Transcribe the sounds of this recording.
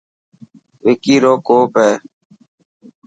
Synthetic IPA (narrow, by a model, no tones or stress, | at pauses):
ʋeːkiːɾoːkoːpeː